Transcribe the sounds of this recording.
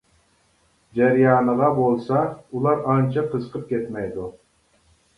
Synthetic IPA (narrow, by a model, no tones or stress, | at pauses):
d͡ʒɛɾjɑːnəʁɑbolˠsɑulˠɑɾɑnt͡ʃʰɑqʰəzəqʰəp̚kʲet̪mɛjd̪u